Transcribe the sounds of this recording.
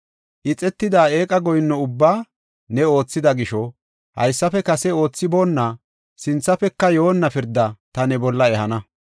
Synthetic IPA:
ʔɪt͡sʼɛt̪ːɪd̪aːeːkʼɐɡɔjnːɔʊbːaː | nɛo̞ːt͡sːɪd̪ɐɡɪʃɔ | hɐ̰jsːɐfɛkɐsɛo̞ːt͡sːɪboːnːɐ | sɪnt͡sːɐfɛkːɐjoːnːɐpɪɾd̪ːɐt̪ɐnɛbɔlːɐɛhɐnɐ

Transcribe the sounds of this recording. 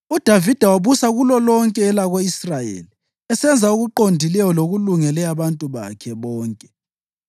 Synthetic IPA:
ud̥ʱavid̥ʱawaβusaɣulɔlɔŋkʼɛːlaɣoisrajḛli | ɛsɛnd͡zʱauɣuǃondʱilɛjɔloɣuluŋɛlɛaβantʼuβa̰kʰɛβɔːŋkʼɛ̥

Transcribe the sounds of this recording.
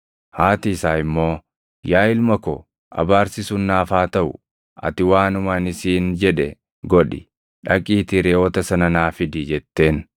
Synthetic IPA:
haːt̪iːsaːɪmːo̞ː | jaːɪlmɐkɔ̰ | ʔɐ̰baːɾsɪsʊnːaːfaːt̪ɐʔʊ̰ | ʔɐ̰t̪ɪwaːnʊmanɪsiːnd͡ʒɛᶑɛ | ɡɔᶑɪ̰ | ᶑɐkʼːiːt̪ɪɾɛoːt̪ɐsɐnɐnaːfɪd̪id͡ʒɛt̪ːe̞ːn

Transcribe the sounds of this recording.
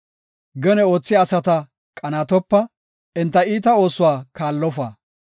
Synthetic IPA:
ɡɛnɛo̞ːt͡sːɪɐsɐt̪ɐ | kʼɐnaːt̪ɔpːɐ | ɪnt̪ːɐiːt̪̬ɐo̞ːsʊwaːkaːlːɔfaː

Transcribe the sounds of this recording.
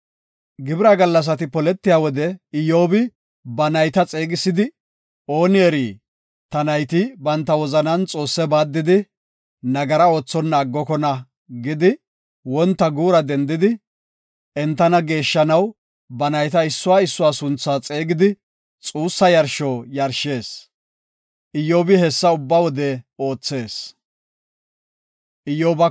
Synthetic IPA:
ɡɪbɪɾaːɡɐlːɐs̬ɐt̪ɪpɔlɛt̪ːɪjaːwɔd̪ɛɪjo̞ːbɪ | bɐnɐjt̪ɐt͡sʼeːɡɪsːɪd̪ɪ | o̞ːnɪɛɾiː | t̪ɐnɐjt̪ɪbɐnt̪ːɐwɔzɐnɐnt͡sʼo̞ːsːɛbaːd̪ːɪd̪ɪ | nɐɡɐɾɐo̞ːt͡sːɔnːɐːɡːɔkɔnɐ | ɡɪd̪ɪ | wɔnt̪ːɐɡuːɾɐd̪ɛnd̪ɪd̪ɪ | ʔɛnt̪ːɐnɐɡe̞ːʃːɐnɐw | bɐnɐjt̪ɐɪsːʊwaːɪsːʊwaːsʊnt͡sːaːt͡sʼe̞ːɡɪd̪ɪ | t͡sʼuːsːɐjɐɾʃoːjɐɾʃe̞ːs | ʔɪjoːbɪhɛsːɐʊbːawɔd̪ɛo̞ːt͡sːe̞ːs | ʔɪjoːbɐ

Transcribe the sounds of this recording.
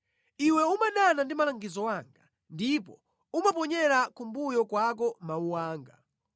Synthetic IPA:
iwɛumaɗanandimalaŋɡizɔwaŋɡa | ndipɔ | umap̬ɔɲɛɾakumbujɔkwak̬ɔmauwaːŋɡa

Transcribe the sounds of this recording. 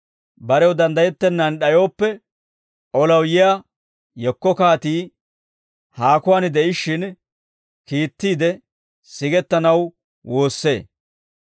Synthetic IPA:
bɐɾɛwd̪ɐnd̪ɐjɛt̪ːɛnːɐnɗɐjo̞ːpːɛ | ʔɔlɐwjɪjaː | jɛkːɔkaːt̪iː | haːkʊwaːnd̪ɛʔɪʃːɪn | kiːt̪ːiːd̪ɛ | sɪɡɛt̪ːɐnɐw | wʔo̞ːsːe̞̰ː

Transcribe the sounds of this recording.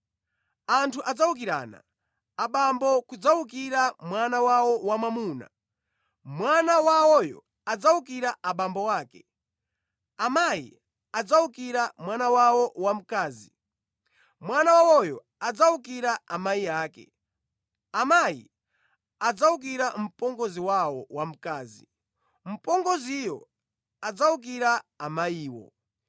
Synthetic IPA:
antʰuʔad͡zawuk̬iɾa̰ːna̰ː | ɓambɔkud͡zauk̬iɾamwanawawɔwamamuːna̰ | mwanawawɔjɔ̰ | ad͡zauk̬iɾaʔaɓambɔwaːkɛ | amajḭ | ad͡zaukiɾamwanawawɔwam̩kaːzi | mwanawawɔjɔ | ad͡zauk̬iɾaamajiaːkɛ̰ | amajḭ | ad͡zauk̬iɾam̩pɔŋɡɔziwawɔwam̩kaːzḭ | m̩pɔŋɡɔzijɔ̰ | ad͡zauk̬iɾaːmajiːwɔ̰

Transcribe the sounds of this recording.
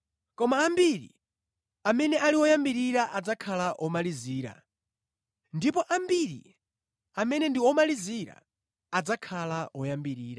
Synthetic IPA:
kɔmaːmbiɾḭ | amɛnɛʔaliwɔjambiɾiɾaʔad͡zakʰalaʔɔmaliziːɾa̰ | ndip̬ɔʔambiɾḭ | amɛnɛndiɔmaliziɾa̰ː | d͡zakʰalaɔjambiɾiːɾa

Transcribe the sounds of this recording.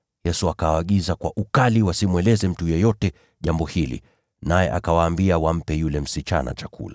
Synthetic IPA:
jɛsuakawaːɠizakwaʔukaliwasimwɛlɛzɛm̩tujɛjɔtɛ | ʄambɔhilḭ | najɛ̰ʔakawaːmbiawam̩pɛjulɛm̩sit͡ʃa̰na̰t͡ʃakṵla

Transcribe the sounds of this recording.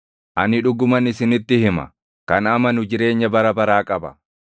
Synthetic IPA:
ʔɐnɪᶑʊɡʊmɐnɪsɪnɪt̪ːɪhɪmɐ̰ | kɐnɐmɐnʊd͡ʒɪɾe̞ːɲːɐbɐɾɐbɐɾaːkʼɐbɐ̥̰

